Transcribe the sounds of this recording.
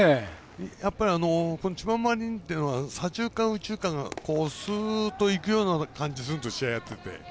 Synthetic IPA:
e | japːaɾʲiano̞ko̞no̞t͡ɕimãmaɾʲĩnt̪ːeiɯ̟no̞asãʑɨːkãɰ̃ɯ̟t͡ɕɨːkãŋɡa̰ko̞ːsɨːt̪ːo̞ikɯ̟jo̞ːnakãɲ̟d͡ʑis̬ɨɾɯt̪o̞ɕiajat̪ːe̞t̪e̞̰

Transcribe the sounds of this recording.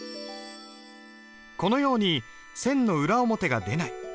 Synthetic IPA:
ko̞no̞jo̞ːɲ̟i | sẽ̞nːo̞ɯ̟ɾaomo̞t̪e̞ɡad̪e̞nai

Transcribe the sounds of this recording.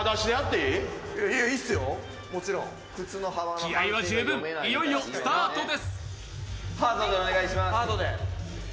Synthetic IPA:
ad̪aɕid̪eat̪ːeiioisɨjo | mo̞t͡ɕiɾõŋ | ɸɯ̟t͡sɨːno̞ɦaβankʲijaiβad͡ʑɨːbɯ̟̃ŋijo̞ij̪osɨt̪aːt̪o̞d̪e̞sɨ̥ | haːt̪od̪eoneɡaiɕimasaːt̪od̪e

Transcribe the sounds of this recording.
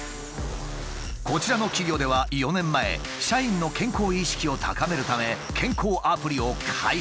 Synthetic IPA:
ko̞t͡ɕiɾano̞kʲiɡʲo̞ːd̪e̞βajo̞nẽ̞mːae̞̰ | ɕaĩnːo̞kẽ̞ŋko̞ːiɕi̥kʲio̞t̪ʰa̰kame̞ɾɯ̟t̪ame̞ | kʰẽ̞ŋko̞ːʔapɯ̟ɾʲio̞kʰai

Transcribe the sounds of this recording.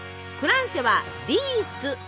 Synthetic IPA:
ɸɯ̟ɾãɰ̃seβa | ɾʲisɨ

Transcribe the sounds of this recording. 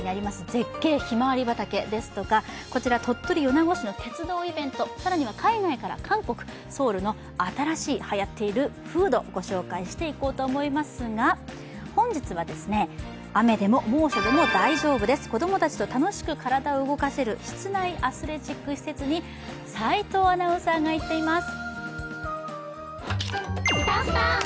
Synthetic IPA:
inaɾʲimasɨze̞kːe̞ːçimaβaɾʲibat̪ake̞d̪e̞sɨ̥t̪o̞kako̞t͡ɕiɾat̪ʰo̞t̪ːo̞ɾʲijo̞naɡo̞ɕino̞t̪e̞t͡sɨd̪o̞ːibẽ̞nt̪o̞saɾaɲ̟iβ̞akʰainaikaɾa̰kʰãŋko̞kɯ̟̥ | so̞ːɾɯ̟no̞ | at̪aɾaɕiːhajat̪ːe̞iɾɯ̟ | ɸɯ̟ːd̪o̞̰ɡ̥o̞ɕo̞ːkaiɕi̥t̪e̞iko̞ːt̪o̞ːmo̞imasɨɡa | hõ̞ɲ̟d͡ʑit͡sɨβad̪e̞sɨne̞ | ame̞d̪e̞mo̞mo̞ːɕod̪e̞mo̞d̪aiʑo̞ːbɯ̟d̪e̞sɨ̥ko̞d̪o̞mo̞t̪at͡ɕi̥t̪o̞t̪ano̞ɕi̥kɯ̟kʰaɾad̪aoɯ̟ɡo̞kase̞ɾɯ̟çi̥t͡sɨnaiʔasɨɾe̞ʑikːɯ̟ɕi̥se̞t͡sɨɲ̟i | sait̪o̞ːanaosaɡait̪ːe̞imasɨ̥

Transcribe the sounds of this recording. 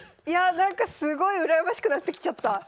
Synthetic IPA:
janãŋkasɨɡo̞iɯ̟ɾajabaɕi̥kɯ̟nat̪ːe̞kʲi̥t͡ɕat̪ːa

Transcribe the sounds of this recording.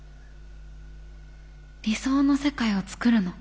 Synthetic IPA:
ɾʲiso̞ːno̞se̞kaio̞t͡sɨ̥kɯ̟ɾɯ̟no

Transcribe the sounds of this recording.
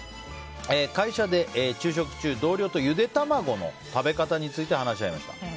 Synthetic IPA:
eːkaiɕad̪e̞ʔt͡ɕɨːɕ̬o̞kɯ̟̥t͡ɕɨːd̪o̞ːɾʲo̞ːt̪o̞jɯ̟d̪e̞t̪amaɡo̞no̞̰t̪abe̞kat̪aɲ̟it͡sɨit̪e̞ɦanaɕiaimaɕi̥t̪a̰

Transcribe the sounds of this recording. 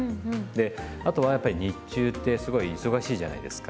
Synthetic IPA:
d̪e̞ | at̪o̞βajapːaɾʲiɲit͡ɕɨːt̪ːe̞sɨɡo̞iːso̞ɡaɕiːʑa̰na̰id̪esɨ̥ka

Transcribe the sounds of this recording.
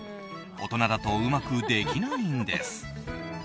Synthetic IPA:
ot̪o̞nad̪at̪o̞ɯmakɯ̟d̪eɡʲinoːĩnd̪ḛsɨ̥

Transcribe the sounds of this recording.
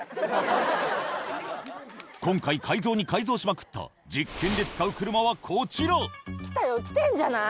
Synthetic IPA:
kõ̞ŋkaikʰaizo̞ːɲ̟ikaizo̞ːɕimakɯ̟̥t̪ʰːa̰ | d͡ʑikʰːẽ̞nd̪e̞t͡sɨ̥kaɯ̟kɯ̟ɾɯ̟maβ̞akʰot͡ɕiɾokʲi̥t̪ajokʲi̥t̪ẽɲd͡ʑana

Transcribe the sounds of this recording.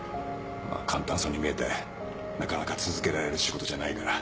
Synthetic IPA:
ma̰kʰãnt̪ãsoɲ̟ʲːimʲie̞t̪e | nakanakat͡sɨzɨke̞ɾaɾe̞ɾɯ̟ɕiɡo̞t̪o̞ʑanaikaɾa

